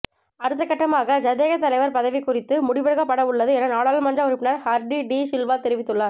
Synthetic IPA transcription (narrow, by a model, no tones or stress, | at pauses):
ɐɾɯt̪̬ːɐkːɐʈːɐmaːɣɐd͡ʒɐðeːɣɐt̪ːɐlɐɪʋɐɾpɐðɐʋɪkːʊrɪt̪ːɯmʊɽɪʋɐɻɯɣɐpːɐɽɐʋɯɭːɐðɯɛnɐnaːɭaːlmɐndrɐʊɾɪpːɪnɐɾhɐɾɖiɖisɪlʋaːt̪ɛɾɪʋɪt̪ːɯɭːaːɾ